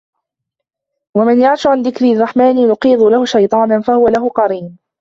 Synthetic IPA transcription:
wamɪnjaʕʃʊʕanðɪkɾirˤːɑħmaːnɪjʊqiːðˤʊlahʊʃajt̪ˤɑːnanfahʊwalaɦʊqɑɾiːn

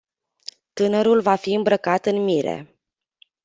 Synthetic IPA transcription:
t̪ɨnəɾulvafiɨmbɾəkat̪ɨnmiɾḛ

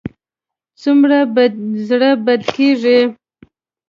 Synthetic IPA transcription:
t͡sumɾabzɽəbad̪keʐi

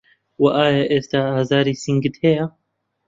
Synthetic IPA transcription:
waʔaːjaʔeːst̪aːazaːɾiːsiŋɡɨt̪heja

